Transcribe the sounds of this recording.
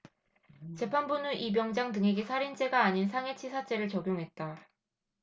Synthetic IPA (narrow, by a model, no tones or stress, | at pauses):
t͡ɕe̞pʰanbunɯnʔipjʌŋd͡ʑaŋtɯŋɦe̞ɡe̞sʰaɾint͡ɕ͈eɡaːɲinsʰaŋe̞t͡ɕʰisʰat͡ɕ͈e̞ɾɯɭt͡ɕʌɡjoŋɦe̞t̚t͈a